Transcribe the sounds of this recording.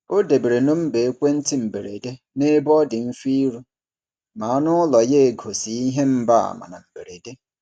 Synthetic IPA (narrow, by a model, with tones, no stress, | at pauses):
o˦de˨be˨ɾe˨no˦m̩˦be˨e˦kʷe˦n̩˦tɪ˦m̩˨be˨ɾḛ˨de˦ | ne˦bɔ˦dɪ˨m̩˦fi˦ɾu˦ | ma˨a˦nʊ˦lɔ˨je˦˨ɡʱo˨si˨˦i˦ɦe˦m̩˦ba˦a̰˨ma̰˨na̰˨m̩˨be˨ɾe˨de˦